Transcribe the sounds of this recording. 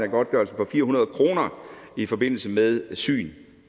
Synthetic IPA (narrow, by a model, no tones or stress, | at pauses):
æɡ̥ɒ̽d̥̚ɡ̥ɶɐlsə̥pʰɒ̽fiːɐɦunɐð̞̩ˠkʰʁo̝ːnɐifɒ̽be̝n̰l̩səmeðˠsy̰ːn